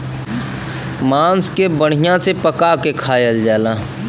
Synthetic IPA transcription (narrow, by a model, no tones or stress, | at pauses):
mãːnskebəɽ̤̃ijãsepəkakekʰaːjəld͡ʒaːlaː